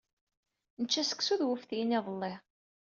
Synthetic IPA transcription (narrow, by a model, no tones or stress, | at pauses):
nət͡ʃːæsə̥ksuðwəfθjiniðˤəlːɪ